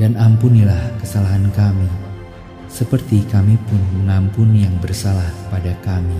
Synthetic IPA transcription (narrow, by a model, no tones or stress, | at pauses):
d̥anampunilahkəsalaɦankami | səpərt̪ikamipʊnməŋampunijaŋbərsalahpadakami